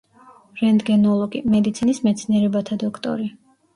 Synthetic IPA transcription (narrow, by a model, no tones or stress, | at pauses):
ɾɛnd̪ɡɛnɔlˠɔɡḭmɛd̪it̪sʰinismɛt̪sʰniɛɾɛbat̪ʰad̪ɔkʰt̪ʼɔ̰ɾi